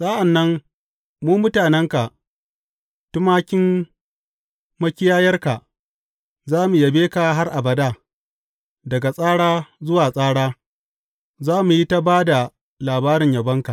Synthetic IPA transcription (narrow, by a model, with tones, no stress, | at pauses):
sʼaː˦ʔa˨nːɐ˦m | muː˦mʊ˦taː˨nɛ˦ŋka˨ʔ | tʊ˦maː˦kʲɪ˦m | mɐ˦kʲɪ˦jaː˦jɐ˦rka˨ʔ | zaː˦mu˨ja˨beː˦ka˨ɦa˦rʔa˨bɐ˨daː˦˨ | dɐ˨ɡa˨sʼaː˦ɽaː˦zʊ˦waː˨sʼaː˦ɽaː˦ | zaː˦mu˨ji˦ta˦baː˦da˨ | laː˨baː˦ɾɪ˨ɲja˨bɐ˦ŋka˨